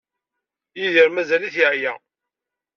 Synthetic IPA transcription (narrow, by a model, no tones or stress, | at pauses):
jiðiɾmæzæliθjʕjæ